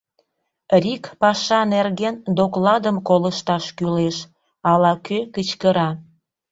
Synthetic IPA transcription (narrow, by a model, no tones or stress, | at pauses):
rikpɑʃɑnerɣend̪oklɑd̪əmkoləʃt̪ɑʃkyleʃ | ɑlɑkøkət͡ɕkəɾɑ